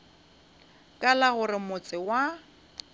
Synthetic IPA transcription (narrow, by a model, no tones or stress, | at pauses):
kʼalaɣʊrɪmʊt͡sʼɪwa